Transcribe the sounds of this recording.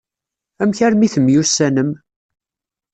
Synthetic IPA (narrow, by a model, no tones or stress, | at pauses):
æmçæɾmiθəmjusːænəm